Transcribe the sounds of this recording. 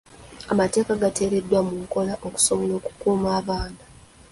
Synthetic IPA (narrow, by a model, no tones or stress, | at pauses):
amate̞ːkaɡate̞ːɾe̞dːwamuŋko̞laʔoku̥so̞βolo̞ːku̥kuːmaːβaːna